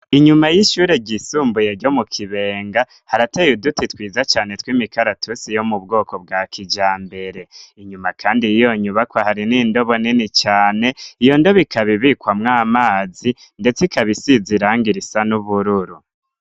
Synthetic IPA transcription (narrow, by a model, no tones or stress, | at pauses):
iɲumajiʃuːɾeɟisuːmbujeɾɟomukʰiβe̞ːŋɡa | haɾatejudutitwiːzat͡ʃaːne̞twimikaɾatʰusijomubɡo̞ːkob̚ɡakʰid͡ʒaːmbe̞ɾe̞iɲumakʰaːndijijo̞ɲuβakwahaɾiniːndo̞βo̞ninit͡ʃaːne̞ijo̞ndoβikʰaβiβikwamŋaːmaːzi | nde̞t͡sikaβisiziɾaːŋɡiɾisanuβuɾuɾu